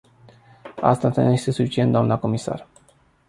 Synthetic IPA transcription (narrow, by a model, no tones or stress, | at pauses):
a̰st̪at̪anuje̞st̪e̞sufit͡ʃiet̪d̪oamnəko̞misa̰r